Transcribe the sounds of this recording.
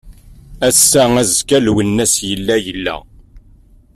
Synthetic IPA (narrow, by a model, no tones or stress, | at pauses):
æsːææzkælwənːæsjəlːæjəlːæ̰